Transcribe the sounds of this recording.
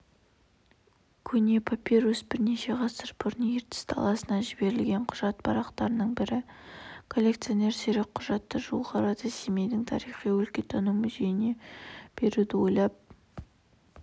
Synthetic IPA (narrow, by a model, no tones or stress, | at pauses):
kʲʰɵne̞pʰapʲeɾosbɪɾne̞ʃe̞ʁɑsəɾbʰʊɾnəeɾt̪ɪ̥st̪ʰɑ̰lˠɑsənɑʒɪbe̞ɾɪlɡʲe̞ɴqʰʊʒɑt̪̚pʰɑɾɑqt̪ɑɾənəɴbɪɾɪkʰo̞lʲːe̞kt̪sio̞ne̞ɾseɾek̚qʰʊʒɑt̪ːəʒolˠʁɑɾəd̪əseme̞jd̪ɪŋt̪ʰɑ̰ɾiχijwɵlkʲe̞t̪ʰɑnumʏze̞jɪne̞b̥e̞ɾud̪ɪwo̞jlˠɑp̚